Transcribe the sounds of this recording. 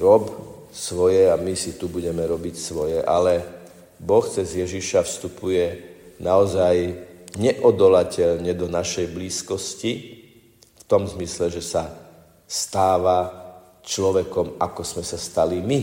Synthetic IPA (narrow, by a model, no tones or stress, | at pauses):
ɾɔp | sʋɔjɛamisit̪ubuɟɛmɛɾɔbicsʋɔjɛʔalɛ | bɔxt͡sɛzjɛʒiʃafst̪upujɛnaɔzajɲɛʔɔd̪ɔlacɛʎɲɛd̪ɔnaʃɛjbliːskɔsci | ft̪ɔmzmislɛʒɛsa | st̪aːʋa | t͡ʃlɔʋɛkɔmakɔz̥mɛsast̪alimi